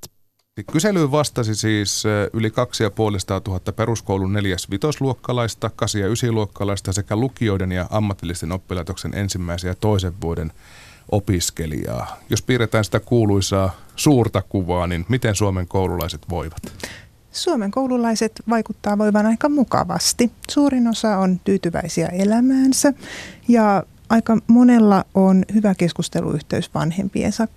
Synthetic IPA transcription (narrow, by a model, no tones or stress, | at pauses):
ikyselyʋɑst̪ɑsisiːsylikɑksijɑpuolisɑ̥t̪ɑːt̪uɦɑt̪ːɑpeɾuskowlunne̞ljæsʋit̪osluokːɑlɑist̪ɑkɑsijɑysiluokːɑlɑist̪ɑsekælukio̞idenjɑʔɑmːɑt̪ːilːˑist̪enopːilɑit̪oksenʔḛnsimːæisejɑt̪o̞iseʋːuoden | ʔopiskelḭɑ̰ːjospiːɾet̪æːnsi̥t̪ækuːluisɑːsuːrt̪ɑkuʋɑːninmit̪ensuomeŋkoululɑ̰iset̪ʋoiʋɑt̪ | suomeŋkoululɑiset̪ʋɑikut̪ːɑːʋo̞iʋɑnɑikɑmukɑ̰ʋɑ̰st̪isuːrino̞sɑont̪yːt̪yʋæ̰isiæ̰elæmæːnsæjɑ | ɑikɑmonelːɑonhyʋæke̞skust̪elʔṵʔyht̪eysʋɑ̰nhe̞̰mpḭḛsɑk